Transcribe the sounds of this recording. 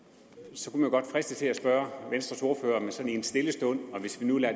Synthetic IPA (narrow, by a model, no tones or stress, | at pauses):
sɒ̽kʰumænjoɡ̥ɒd̥fʁɛsd̥ət͡sʰe̝læsb̥ɶːɐʋensd̥ʁɐso̝ɐfø̰ːɐmesɒ̽niensd̥e̝ləsd̥ɔ̽n̰ɒ̽ʋe̝sʋinulæɐ